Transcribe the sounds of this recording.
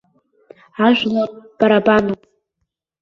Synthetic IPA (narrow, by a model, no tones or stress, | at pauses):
aʒʷᶣlob̥aɾabanopʼ